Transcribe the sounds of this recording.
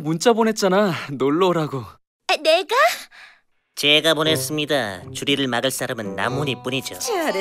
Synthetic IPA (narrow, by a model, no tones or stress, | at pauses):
munt͡ɕ͈abone̞t̚t͡ɕ͈ananoɭːoɾaɡo | neɡa | t͡ɕeɡapones͈ɯmɲidat͡ɕuɾiɾɯɭmaɡɯɭs͈aɾamɯnːa̰muɲip͈uɲid͡ʑo